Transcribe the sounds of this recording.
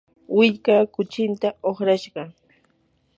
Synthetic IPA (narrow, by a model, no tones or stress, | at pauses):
wɪʎkaːkʊt͡ʃɪnt̪aoχɾaʃɢɑ